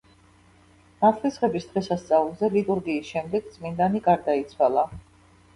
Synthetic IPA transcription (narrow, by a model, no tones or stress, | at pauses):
mat̪ʰχisʁɛbisd̪ʁɛsast̪sʼavulˠzɛlit̪ʼuɾɡiːsʃɛmd̪ɛɡ̥̚dt̪sʼmind̪aniɡaɾd̪ait̪sʰwalˠa